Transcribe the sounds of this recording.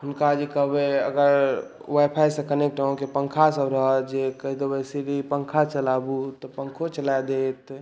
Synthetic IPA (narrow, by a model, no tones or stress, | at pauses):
ɦʊnkad͡ʒikəɦbeə̰ɡəɾ | wajpʰajsəkənek̚ʈaõkepə̃ŋkʰasəbɾəɦəd͡ʒekəɦid̪obəsiɾipəŋkʰat͡ʃəlabut̪ɔpəŋkʰot͡ʃəlajd̪et̪